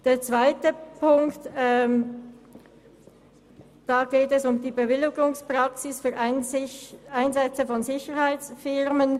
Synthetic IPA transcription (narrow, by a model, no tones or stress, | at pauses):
d̥eːɐt͡sv̥aɪtəpʰʊŋktɛm | d̥aːɡ̥eːtɛsʊmdiːbəvɪlɪɡʊŋspʁ̥aksɪsfyːɾʔ | aɪnzɛt͡səfɔnzɪçəʁhaɪt͡sfɪʁmən